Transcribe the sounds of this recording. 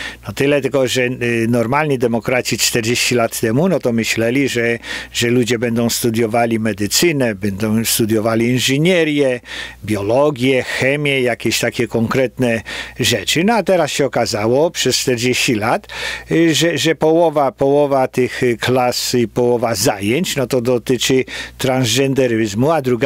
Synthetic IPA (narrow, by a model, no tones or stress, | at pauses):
nɔt̪ɪlɛt̪ɪkɔʐɛnɔɾmalʲɲid̪ɛmɔkɾat͡ɕit͡ʂt̪ɛɾd͡ʑeɕt͡ɕilat̪ːɛmunɔt̪ɔmɘɕlɛlʲiʐɛʐɛlud͡ʑɛbɛnd̪ɔ̃w̃st̪ud̪ʲjɔvalʲimɛd̪ɘt̪sɘnɛbɛnd̪ɔ̃w̃st̪ud̪ʲjɔvalʲiinʐɨɲɛɾjɛbjɔlɔɡʲjɛxɛmʲjɛjakʲɛɕt̪akʲɛkɔŋkɾɛt̪nɛʐɛt͡ʂɘnɔat̪ɛɾasɕɛɔkazawɔpʂɛst͡ʂt̪ɛɾd͡ʑeɕt͡ɕilat̪ʐɛʐɛpɔwɔvapɔwɔvat̪ɪxklasipɔwɔvazajɛɲt͡ɕnɔt̪ɔd̪ɔt̪ɪt͡ʂɘt̪ɾanzd͡ʒɛnd̪ɛɾɪzmuad̪ɾuɡa